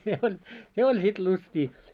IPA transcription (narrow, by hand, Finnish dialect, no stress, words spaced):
se olʲ se olʲ sit lustiː